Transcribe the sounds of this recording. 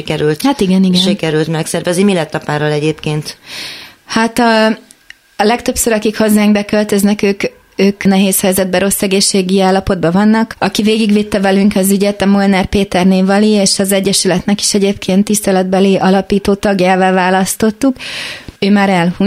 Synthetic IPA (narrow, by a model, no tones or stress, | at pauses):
ikɛɾylt̪hat̪iɡɛniɡɛʃikɛɾylt̪mɛksɛrvɛznimilɛt̪ːɒpaːɾolɛɟeːpkeːnt̪ | hat̪ɒː | lɛkt̪øpsøɾɒkikho̞zːaːŋɡbɛkø̞lt̪øznɛkøːk | øːknɛɦeːshɛjzɛd̪̚bɛɾo̞sːɛɡeːʃːeːɡiaːlːɒpo̞d̪̚bɒvɒnːɒkɒkiveːɡiɡvit̪ːɛvɛlyŋkɒzyɟɛt̪ɒmolnɛrpeːt̪ɛrneːvɒlieːʃɒzɛɟːɛʃylɛt̪nɛki̥ʃɛɟeːpkʰeːnt̪ːist̪ɛlɛd̪̚bɛliʔɒlɒpiːt̪oːt̪ɒɡjaːvaːvaːlɒst̪o̞t̪ːukøːmaːɾɛlhu